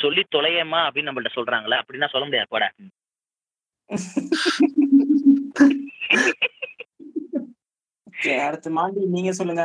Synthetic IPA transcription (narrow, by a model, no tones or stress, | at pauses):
sɔlːit̪ɔlɐjɐmaːɐpːɐɽinɐmːbɐkɪʈːɐsɔlɾaːŋɡɐlɐɐpːɐɽɪnːaːsɔlːɐmʊɽɪjaːɾpoːɽa̰ː | okːeɐɽɯt̪ːɯmaːɳɖiniːŋɡɐsɔlːɯŋɡɐ